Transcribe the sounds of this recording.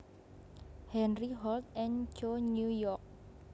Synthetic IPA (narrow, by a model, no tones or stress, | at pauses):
hɛnriɦɔlt̪̚ɛnt͡ʃoɲujɔrk̚